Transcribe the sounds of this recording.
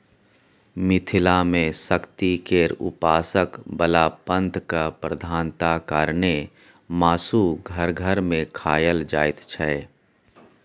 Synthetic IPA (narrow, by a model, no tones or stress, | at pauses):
mɪt̪ʰɪlamẽsəkt̪ikeːɾʊ̰paːsəkbəlaːpə̃nt̪ʰkapɾəd̪ʱaːnt̪akaːɾne | maːsuɡʱəɾɡʱəɾmẽkʰaːjəld͡ʒaːɪt̪t͡ʃʰɛ